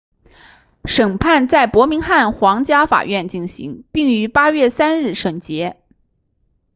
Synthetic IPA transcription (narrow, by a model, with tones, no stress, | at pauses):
ʂɤ˨˩ŋpʰa˥˧nt͡sa˥˩ɪpwɔ˧˥mi˧˥ŋxa˥˩nxwɑ˧˥ŋt͡ɕja˥fa̰˨˩ɥɛ˥˧nt͡ɕi˥˩nɕḭ˧˥ŋpi˥˩ŋy˧˥pa˥ɥɛ˥˩sa˥nɻɻ̩˥˩ʂɤ˨˩ŋt͡ɕjɛ˧˥